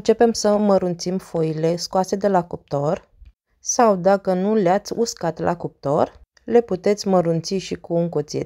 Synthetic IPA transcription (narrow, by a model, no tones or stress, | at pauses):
ɨnt͡ʃe̞pe̞msəməɾunt̪simfoile̞skoase̞d̪e̞lakup̚t̪o̞r | sawd̪akənuleat̪sʲuskat̪lʔa̰kup̚t̪o̞r | le̞put̪e̞t̪sʲməɾunt̪siʃikuːŋkot̪siḛt̪